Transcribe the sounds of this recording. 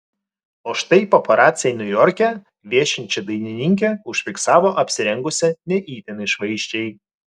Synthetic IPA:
oːʃt̪ɐɪpɔpɐɾaːt̪sʲɪjɛnʲʊjɔɾʲkʲɛ | ʋʲiɛʃʲɪnʲt͡ʃʲɛd̪ɐɪnʲɪnʲɪŋʲk̬ʲɛʊʃʲfʲɪksɑːʋoːʔɐpʲsʲɪɾʲɛŋɡʊsʲɛnʲɛʔiːt̪ʲɛnɐɪʃʋɐɪʃʲt͡ʃʲɛɪ

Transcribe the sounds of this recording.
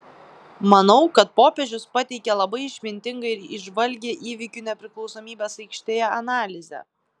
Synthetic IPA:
mɐnɒʊkɐt̪̚poːpʲeʒʲʊspɐt̪ʲɛɪkʲɛlˠɐbɐɪɪʃʲmʲɪnʲt̪ʲɪŋɡɐɪɾɪʒʋɐlʲɡʲeːʔiːʋʲɪkʲuːnʲɛpʲɾʲɪklˠɒʊsoːmʲiːbʲeːsɐɪkʃʲt̪ʲeːjɛɐnɑːlʲɪzʲɛ̰

